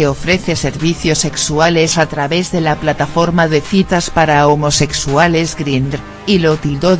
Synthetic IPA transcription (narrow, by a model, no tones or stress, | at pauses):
eofɾe̞θe̞se̞ɾβiθjo̞sːe̞ksuale̞sat̪ɾaβe̞zðelaplat̪afo̞ɾmaðe̞θit̪aspaɾaomo̞se̞ksuale̞zɡɾinɾ | ilo̞t̪ild̪o